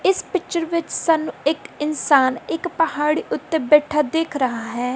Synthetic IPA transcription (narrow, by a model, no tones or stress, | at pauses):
ɪspɪkt͡ʃəɾʋɪt͡ʃsaːnːũːɪkɪnsaːnɪkpəhaːɽiːʔʊt̪ːebɛːʈʰaːd̪eːkʰɾəɦaːɦɛː